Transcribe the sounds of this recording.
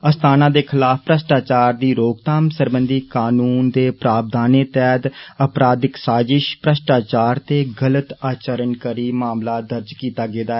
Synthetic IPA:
əst̪ʰaːnãːd̪eːkʰɪlaːfpɾəsʈaːt͡ʃaːɾd̪iːɾoːɡt̪aːmsəɾbənd̪iːkaːnuːnd̪eːpɾaːb̚d̪ʱaːneːt̪ɛːd̪əpɾaːd̪ɪksaːzɪʃpɾəʃʈaːt͡ʃaːɾt̪eːɡələt̪aːt͡ʃəɾənkəɾiːmaːmlaːd̪əɾd͡ʒkiːt̪aːɡeːd̪aːɛ

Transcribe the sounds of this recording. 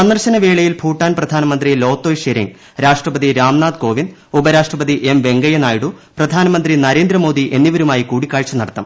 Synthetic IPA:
sɐnːɐrɕɐnɐʋe̞ːɭɐjilbʰʱuːʈːaːnprɐd̪ʱaːnɐmɐnd̪rilo̞ːt̪ːoːjʂeɾḭŋɡ | ɾaːʂʈrɐpɐd̪iɾaːmnaːd̪̚ko̞ːʋin | ubɐɾaːʂʈrɐpɐðiʔe̞mʋe̞ŋɡɐjɐnaːjiɽuprɐd̪ʱaːnɐmɐnd̪rinɐɾe̞ːnd̪rɐmo̞ːd̪iʔe̞nːiʋɐɾumaːjikuːɽikʲːaːɭt͡ɕɐnːɐɽɐt̪ːɐm

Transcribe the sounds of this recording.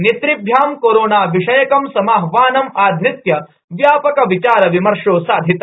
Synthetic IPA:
nit̪ɾibʱjaːmkoːɾoːnaːʋiʂɐjɐkɐmsɐmaːɦʋaːnɐmaːd̪ʱɾɪt̪jɐ | ʋjaːpɐkɐʋit͡ʃaːɾɐʋimɐɾʂoːsaːd̪ʱit̪ɐ

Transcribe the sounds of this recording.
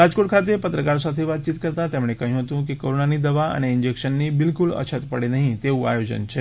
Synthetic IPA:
ɾad͡zkoʈkʰat̪epət̪ɾəkaɭsat̪ʰiʋat̪̚t͡ɕiːt̪kəɾt̪at̪jamɭekãɦĩɦot̪ũk̬ikoɾonaniːd̪əʋaa̰ɽ̃iind͡ʑekɕənːiːbilkulə̰t͡ɕʰət̪pəɽenaɦĩt̪eua̰jod͡ʑə̰nt͡ɕʰe

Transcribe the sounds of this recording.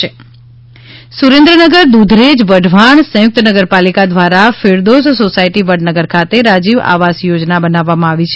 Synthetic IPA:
e | suɾẽnd̪ɾənəɡəɾd̪ud̪ʱɾed͡ʒʋəɖʱʋaɳsə̃jʊk̚t̪nəɡəɾpalikad̪ʋaɾafɪɾd̪ossosaiʈiʋəɖnəɡəɾkʰat̪eɾad͡ʒiʋa̰ʋasjod͡ʒnabənaʋːamãaʋit͡ʃʰ

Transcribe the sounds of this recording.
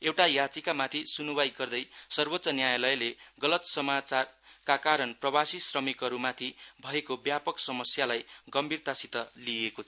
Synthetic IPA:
ewʈajat͡sikamat̪ʰisunubajɡʌrd̪ʌjsʌrbot̪ːsʌnjajalʌjleɡʌlʌt̪sʌmat͡sarkakaɾʌnprʌbasisrʌmikɦʌɾumat̪ʰibʱʌekobjapʌksʌmʌsjalajɡʌmbʱirt̪asit̪ʌliekot͡sʰ

